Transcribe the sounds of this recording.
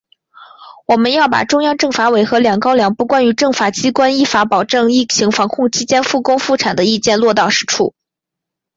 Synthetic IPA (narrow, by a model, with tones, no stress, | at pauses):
wɔ˨˩mə˦njɑ˥˩ʊpa̰˨˩ʈ͡ʂʊ˥ŋjɑ˥˧ŋʈ͡ʂɤ˥˩ŋfa˧˥we˧˥ɪxɤ˧˥ljɑ˨˩ŋkɑ˥ʊljɑ˧˥ŋpu˥˩kwa˥ny˧˥ʈ͡ʂɤ˥˩ŋfa˨˩t͡ɕi˥kwa˥ni˥˩fa˧˥pɑ˨˩ʊʈ͡ʂɤ˥˧ŋi˥˩t͡ɕʰi˧˥ŋfɑ˧˥ŋkʰʊ˥˧ŋt͡ɕʰi˥t͡ɕjɛ˥nfu˥˩kʊ˥ŋfu˥˩ʈ͡ʂʰa˨˩nd̪ə˦i˥˧t͡ɕjɛ˥˧nlwɔ˥˧t̪ɑ˥˧ʊʂɻ̩˥ʈ͡ʂʰṵ˥˩